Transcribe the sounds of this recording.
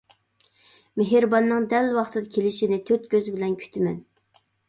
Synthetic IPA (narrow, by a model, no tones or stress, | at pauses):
meɦɪɾbɑnːɨŋd̪ɛlːwɑχt̪ʰɨd̪ɑkʲʰelɪʃinɪt̪ʰøt̪kʲʰøzɪbɪlɛnkʲʰy̥t̪ʰɪmɛn